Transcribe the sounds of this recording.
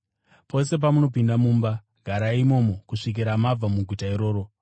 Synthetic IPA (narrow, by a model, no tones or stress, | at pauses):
pʰo̞se̞p̬amuno̞pindamuːmba | ɡʱaɾaimo̞mo̞kuʂik̬iɾamab͡vamuɡʱutaiɾo̞ːɾo̞